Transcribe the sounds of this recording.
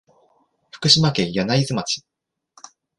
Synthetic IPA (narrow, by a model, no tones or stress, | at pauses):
ɸɯ̟̥kɯ̟ɕimakẽ̞janaizɨmat͡ɕi̥